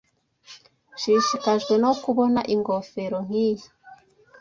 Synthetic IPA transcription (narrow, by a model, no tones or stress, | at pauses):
ʃiʃikaʒɡwe̞no̞kuβo̞naʔiŋɡofe̞ɾoŋ̥ijḁ